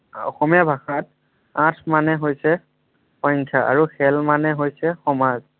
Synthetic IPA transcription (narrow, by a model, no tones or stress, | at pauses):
ɔ̰xɔmijabʱaxat̚ | ãtʰmanɛɦojsɛ | pɔjŋkʰaʔa̰ɹuxɛlmanɛɦojsɛxɔmaz